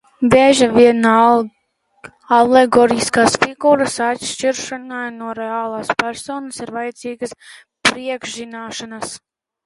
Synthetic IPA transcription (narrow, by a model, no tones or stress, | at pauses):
beʒaviɛn | aleɡɔːɾiskaːsfiɡuːɾasat̪ʃt͡ʃiɾʃanajnuɔɾeaːlˠaːspæɾsoːnɐsiɾvajat̪ziːɡɐs | pɾiɛɡʒʒinaːʃanas